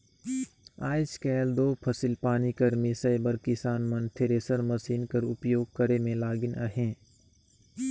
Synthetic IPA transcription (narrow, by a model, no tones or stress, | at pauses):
aːɪskɛːld̪oːpʰɐsɪlpaːnikɐɾmɪsəjbəɾkɪsaːnmɐnt̪ʰeɾeːsəɾmɐsiːnkɐɾʊpjoːɡ̚kɐɾemẽlaːɡɪna̰ɦẽː